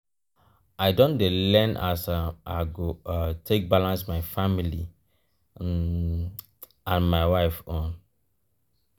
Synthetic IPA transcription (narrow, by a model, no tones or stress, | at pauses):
aɪdõndelɛ̃nʔasaɡotʰek̚balãnsmaɪfamili | ãnmaɪwaɪfɔ̃n